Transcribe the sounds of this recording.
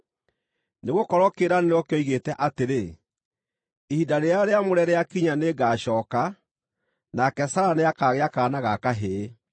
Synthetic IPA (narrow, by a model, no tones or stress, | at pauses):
neɣokɔɾɔkeɾanenɔkeɔiɣetɛʔateɾe | ehidaɾeaɾeamoɾɛɾɛakiɲaneːɡaːɕɔːka | nakɛsaɾaneakaɣeakaːnaɣakaɦeː